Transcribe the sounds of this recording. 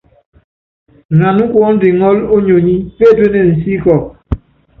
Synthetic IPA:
na˨nu˦kwɔ˦n̩˦di˨ŋɔ˦lo˦ɲo˨ɲi˦pe˦˨twe˦nɛ˨n̩˨si˦kɔ˨

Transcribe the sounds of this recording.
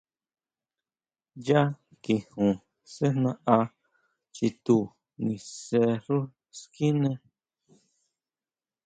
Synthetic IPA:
ja˦ | ki˨hũ˨ | se˦nã˧ʔa˧ | t͡ʃi˧t̪u˧˨ | nĩ˧se˧ɾu˦ | ski˦nẽ˧

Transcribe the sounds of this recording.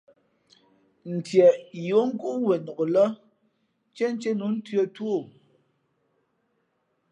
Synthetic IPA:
n̩˨tjɛ˨jo˨˦ŋ̩˦ɡu˦we˨no˨ʔlɔ˦ | t͡ʃe˦n˦t͡ʃe˦nu˨˦n̩˦tɥə˦two˦˨

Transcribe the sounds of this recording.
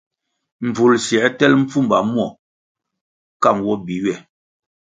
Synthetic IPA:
m̩˨b͡vu˨lsjɛ˨˦tɛ˦lm̩˦p͡fu˦m˨ba˨mwɔ˦˨ | ka˦˨ŋwɔ˦bi˨ɥɛ˦˨

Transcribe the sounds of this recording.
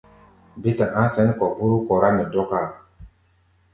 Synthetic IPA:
bi˦ta˨ʔã˦sɛ˦nkɔ˨bu˦ɾu˦kɔ˨ɾa˦nɛ˨dɔ˦ka˦˨

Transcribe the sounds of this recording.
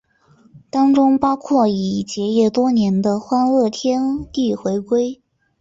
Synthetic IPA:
t̪ɑ˥ŋʈ͡ʂʊ˥ŋpɑ˥ʊkʰwɔ˥˩i˨˩t͡ɕjɛ˧˥jɛ˥˩t̪wɔ˥njɛ˧˥nd̪ə˧xwa˥nɤ˥˩t̪ʰjɛ˥nt̪i˥˩xwe˧˥ɪkwe˥ɪ

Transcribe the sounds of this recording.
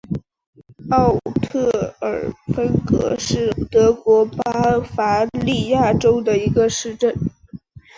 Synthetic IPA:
ɑ˥˩ʊt̪ʰɤ˥˩ə˞˨˩fə˥nkɤ̰˧˥ʂɻ̩˥˩t̪ɤ˧˥kwɔ˧˥pa˥fa˧˥li˥˧ja˥˩ʈ͡ʂo˥ʊd̪ə˨i˧˥ɡə˧ʂɻ̩˥˧ʈ͡ʂə˥˩n

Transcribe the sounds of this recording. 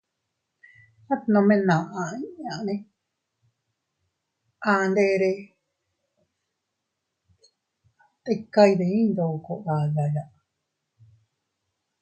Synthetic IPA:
a˦t̪nõ˧mẽ˦nã˨ʔã˧ĩ˦ʔã˨˧nẽ˦ | a˧nd̪e˧˦˧ɾe˧ | t̪e˦˧ka˦˧i˧ðe˨˧ĩ˦nd̪o˨ko˧˨a˨ða˨ja˨ʔ

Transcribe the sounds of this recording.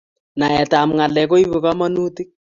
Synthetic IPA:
na˨ɛ˨ta˨mŋa˨lɛ˨ko˦i˦βe˨kɔ˦mɔ˦nu˦ti˦k̚

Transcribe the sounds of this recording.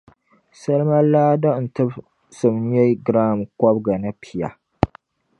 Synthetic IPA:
sa˦lma˦laː˦dɔ˦n̩˨tɨ˦b | sɨ˨mn˦jɛ˦ɡɾaː˦˨mkɔ˦bɡa˨nɨ˦pʰi˨ja̰˨

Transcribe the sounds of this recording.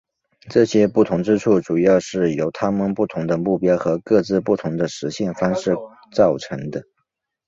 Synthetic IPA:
ʈ͡ʂɤ˥˩ɕjɛ˥pu˥˩t̪ʰʊ˧˥ŋʈ͡ʂɻ̩˥ʈ͡ʂʰu˥˩ʈ͡ʂu˨˩jɑ˥˧ʊʂɻ̩˥˩jo˧˥ʊt̪ʰa˥mə˨npu˥˩t̪ʰʊ˧˥ŋd̪ə˧mu˥˩pjɑ˥ʊxɤ˧˥kɤ˥˧t͡sɹ̩˥˧pu˥˩t̪ʰʊ˧˥ŋd̪ə˧ʂɻ̩˧˥ɕjɛ˥˩nfɑ˥ŋʂɻ̩˥˧ | t͡sɑ˥˩ʊʈ͡ʂʰɤ˧˥ŋd̪ə˧

